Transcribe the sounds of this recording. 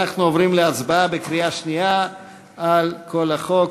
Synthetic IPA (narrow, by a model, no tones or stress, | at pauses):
aχnuovʁimleat͡sbaabekʁiaʃnia | alkʰo̞laχo̞k